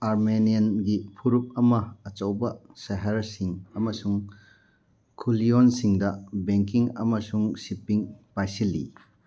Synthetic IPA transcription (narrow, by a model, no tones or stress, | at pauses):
aɾmeniɐnɡipʰuɾup̚ɐmɐːt͡ʃɐwbɐseɦɐɾsiŋɐmɐsuŋ | kʰulionsiŋdɐbeŋkiŋɐ̰mɐsuŋsipiŋpajsilːḭ